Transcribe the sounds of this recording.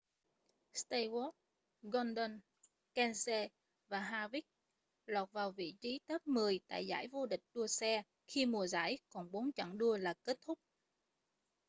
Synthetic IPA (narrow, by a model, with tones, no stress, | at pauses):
st̪a˧jwɔ˦˥t̚ | ɣɔ˧nɗɔ˧n | kɛ˧nse˧ | vaː˨˩ɦaː˧vi˦˥k̚ | lwaː˨˩t̚vaː˨˩wvḭ˧˨t͡ɕi˨˦t̪ə˦˥p̚mɨ˨˩əjt̪a̰ː˧˨jza̰ː˧˩jvo˧ɗï˨˩k̟̚ɗu˧əsɛ˧ | xi˧mu˨˩əza̰ː˧˥jkɔ˨˩nɓo˨˦nt͡ɕə̰˧˩ŋɗu˧əlaː˨˩ke˦˥t̚t̪ʰʊ˦˥k͡p̚